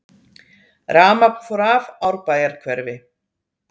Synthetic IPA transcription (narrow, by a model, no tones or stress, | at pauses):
raːmapfɔɾavawɾpaːjaɾ̥kʰvɛɾvɪ